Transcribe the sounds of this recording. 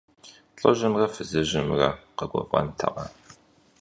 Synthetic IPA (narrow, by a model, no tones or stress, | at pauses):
ɬʼɐʒɪmrɐfɨzɨʑɪmrɐ̰qəɡʷɔvʁɐ̰ntʰɐ̰ʁɐ